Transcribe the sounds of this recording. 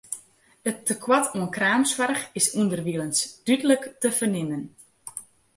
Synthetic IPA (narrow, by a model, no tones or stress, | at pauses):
ətːəkʰwatuənkraːmswarxɪsuəndərʋiələnsd̥ydələktəfərnɪnən